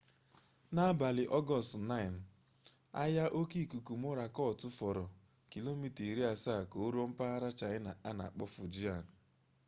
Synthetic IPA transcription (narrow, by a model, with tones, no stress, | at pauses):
na˦ba˨lɪ˨ʔɔ˦ɡɔ˨stna˦ɪ˨n̩˨ | a̰˦ja˦ʔo˦ki˦˨ku˨ku˨m̩˦o˦ɾa˨kɔ˦˨tʊ˦fɔ˨ɾɔ˨ | ki˨lo˦mi˦ti˨ɾi˦a˨sa˦˨ko˨o˦ɾo˦m̩˦pa˦a˦ɾa˦t͡ʃa˨ɪ˦na˨a˦na̰˨k͡pɔ˦fʊ˨d͡ʒi˦a˨n˨